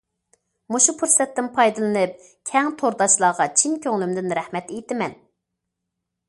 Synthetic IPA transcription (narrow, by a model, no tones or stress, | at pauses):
muʃupʰuɾsɛt̪ːɪnpʰɑjd̪ɨlˠɨnɨp̚ | kʲʰɛŋt̪ʰoɾd̪ɑʃlˠɑːʁɑt͡ʃʰinkʲʰøŋlymd̪ɪnɾɛhmɛt̪ejt̪ɪmɛn